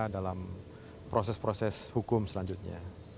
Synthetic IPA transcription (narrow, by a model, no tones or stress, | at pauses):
adalam | pɾosɛspɾosɛshukʊmsəlaɲd͡ʒʊt̪̚ɲa̰